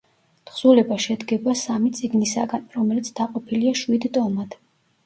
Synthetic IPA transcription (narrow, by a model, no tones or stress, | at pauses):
t̪χz̥ulɛbaʃɛd̪ɡɛbasamit̪sʼiɡnisa̰ɡanɾɔmɛlit̪sʰd̪aqʼɔpʰiliaʃwid̪t̪ʼɔmad̪̥